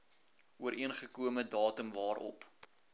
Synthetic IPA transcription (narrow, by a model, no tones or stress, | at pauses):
ʔuəɾʔiənχəkuəmədɑːtəmvɑːrʔɔ̰p